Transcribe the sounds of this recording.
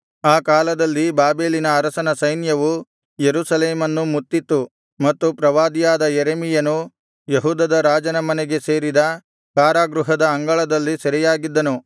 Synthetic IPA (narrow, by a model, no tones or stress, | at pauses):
aːkaːlɐd̪ɐlːibaːbe̞ːlinɐːɾɐsɐnɐsɐjnjɐʋu | jeɾusɐleːmɐnːumut̪ːit̪ːu | mɐt̪ːupɾɐʋaːd̪ijaːd̪ɐjeɾemijɐnu | jɐɦuːd̪ɐd̪ɐɾaːd͡ʒɐnɐmɐneɡe̞se̞ːɾid̪ɐ | kaːɾaːɡɾuɦɐd̪ɐɐŋɡɐɭɐd̪ɐlːisɐɾɛjaːɡid̪ːɐnu